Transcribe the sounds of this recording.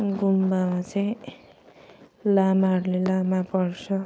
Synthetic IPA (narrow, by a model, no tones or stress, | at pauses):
ɡumbamat͡saĩ | lamaɦʌɾulelamapʌrt͡sʰʌ